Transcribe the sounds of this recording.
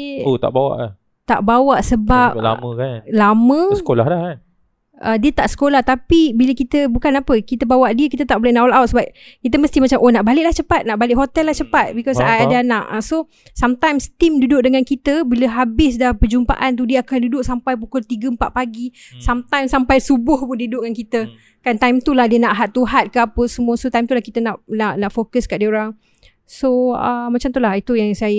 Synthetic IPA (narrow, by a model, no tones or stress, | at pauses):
ot̪a̰ʔbawa̰ʔla̰h | t̪a̰ʔbawaʔsəbap̚la̰mə̃kanlamə̃sə̥kola̰hlahkan | ʔədiət̪aʔsə̥kolaht̪apibiləkit̪əbukanapəkit̪əbawaʔdiəkit̪ət̪aʔbolɛhnawlawt̪̚səbap̚kit̪əməst̪imat͡ʃamʔonaʔbalɪʔlaht͡ʃəpat̪̚naʔbalɪʔɦot̪ɛlːaht͡ʃəpat̪̚bikɔsaadaanaʔaso | samt̪ajmst̪imdudʊʔ̚dəŋãnkit̪əbiləɦabɪsdapəd͡ʒumpa̰ʔant̪̬udiəakandudʊʔsampajp̬ukʊlt̪iɡəmpaʔ̚paɡisamt̪ãjmsampajsubʊhpʊndudʊʔŋankit̪ə | kant̪ajmt̪ulahdiənaʔɦat̪ːuɦat̪̚kəapəsəmuəsot̪ajmt̪ulahkit̪ənaʔnaʔnaʔfokəskaʔdiəoɾaŋ | soəmat͡ʃamt̪ulahit̪ujaŋsajə